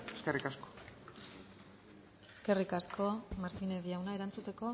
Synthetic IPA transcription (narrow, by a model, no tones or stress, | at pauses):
eskerikasko̥ | e̞ske̞rikasko̞maɾt̪ineðiawnae̞ɾant͡sut̪e̞ko̞